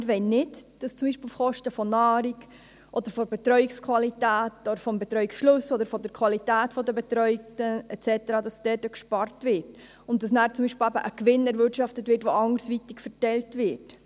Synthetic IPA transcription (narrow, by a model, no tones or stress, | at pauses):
ɪɾʋɛnnɪtd̥ɑst͡sʊmbiːʃpilfχɔʃtəfɔnɑːɾik | ʔɔd̥̪əɾfɔbɛt̪ɾœʏɪkskʰvɑlitæːtɔdɾfɔmbɛt̪ɾœɥiksʃlʊsɔdəɾfɔdəɾkʰv̥ɑlitæːtfɔdəbɛt̪ɾœʏk̚təɛtt͡sɛtəɾɑːdɑsd̥ɛtəkʃpɑɾtvɪɾt | ʊnt̚d̥ɑsnæːɾt͡sʊmbiʃpɪl̩æbəʔəkvɪnɛɾvɪɾtʃɑftətvʋɪːɾtʋoʔɑŋəɾsʋitɪkfəɾtɛltvɪɾt